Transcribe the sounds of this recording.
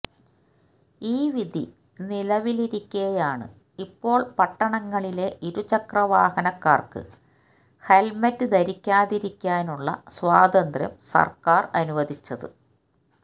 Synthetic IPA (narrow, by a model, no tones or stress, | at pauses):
iːʋid̪ʱi | nilɐʋiliɾikʲːuɣɐjaːɳɨ̰ | ipːo̞ːɭpɐʈːɐɳɐŋːɐɭile̞ʔiɾut͡ɕɐkrɐʋaːhɐnɐkːaːrkɨ̰ | helmɐtːɨd̪ɐɾikʲːaːðiɾikʲːaːnuɭːɐ̰swaːd̪ɐnd̪rjɐ̰msɐ̰rkaːrɐnuʋɐd̪it͡ɕːɐðɨ̰